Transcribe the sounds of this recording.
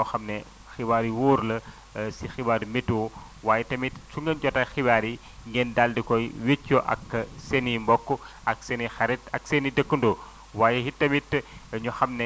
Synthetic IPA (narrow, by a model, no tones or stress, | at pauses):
ɔxɐmnɛ | xibaːɾiwoːɾlɐ | sixibaːɾimitːu | waːjɛtɐmitsuŋɡənɟɔtɐxibaːɾi | ŋɡendaldikɔjwet͡ʃːɔʔɐ̰ksenimbɔkːɔʔɐksenixɐɾɛtɐksenidəkːəndo | waːjehitɐmitɲɔxɐmne